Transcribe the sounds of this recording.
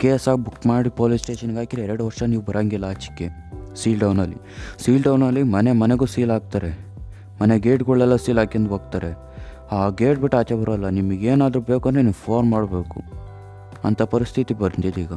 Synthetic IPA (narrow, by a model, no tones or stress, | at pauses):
keːsaːɡ̚bukmaːɽipoːlisʈe̞ːʃɐniɡaːkiɾeɛɾeɽuʋɐɾʂɐniːʋubɐɾaːŋɡilːɐaːt͡ʃi̥kːe | siːlɖɐwnɐlːḭ | siːlɖɐwnɐlːimɐnemɐneɡuːsiːlaːɡ̚t̪aːɾe | mɐneɡeːʈɡɔɭːɛlːɐsiːlaːkɐnd̪uɦoːɡ̚t̪aːɾe | aːɡeːʈ̚biʈːaːt͡ʃebɐɾɐlːɐnimɐɡeːnaːd̪ɾube̞ːkuɐneniʋpʰoːɾnmaːɽbe̞ːkṵ | ɐ̰nt̪ʰɐpɐɾist̪ʰit̪ibɐɾt̪id̪iːɡɐ